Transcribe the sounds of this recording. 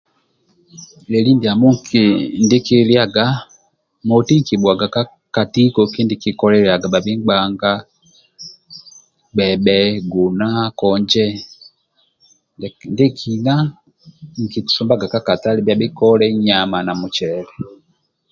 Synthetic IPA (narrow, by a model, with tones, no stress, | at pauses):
lɛ˨li˦ndi˨a˨mu˦ŋki˨ndi˦ki˦lja˦˨ɡa˦ | mɔ˨ti˦ŋ˨ki˨ɓwa˨ɡa˨ka˦ | ka˨ti˦kɔ˨ki˦ndi˦ki˨kɔ˦lɛ˦ɾja˨ɡa˨ɓa˨bi˦ŋɡ͡ba˦ŋɡa˦ | ɓɛ˨ɓɛ˦ɡu˨na˦kɔ˨ɲd͡ʒɛ˦ | ndi˦kʰi˨na˦ | ŋ̩˨ki˨tu̥˨su˨mba˦ɡa˨ka˦ka˨ta˦li˨bja˨bi˦kɔ˦lɛ˦ɲa˨ma˨na˨mu˨t͡ʃɛ˨lɛ